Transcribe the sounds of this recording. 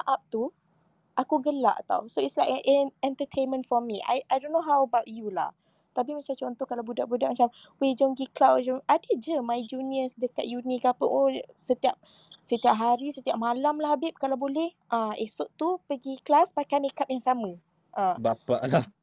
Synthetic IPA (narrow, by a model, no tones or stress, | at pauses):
aʔap̚t̪u | ʔakuɡəla̰ʔt̪a̰wsoitslajʔʔɛnɛ̃nt̪ət̪ʰenmə̃ntfɔmiʔa̰jʔajdonːoɦawəbawtjula̰h | t̪ap̬imat͡ʃat͡ʃɔnt̪ɔhkalawbudaʔbudaʔmat͡ʃam | wid͡ʒoŋɡiklad͡ʒoadəd͡ʒəmajd͡ʒuniəsdəkaʔ̪̚junikapəʔosət̪iap̚sət̪iap̚ɦaɾisət̪iap̚malamlahabɪp̚kalawbolɛh | ʔəesʊʔt̪upəɡiklaspakanekap̚jaŋsamə̃ | ʔəbapa̰ʔlah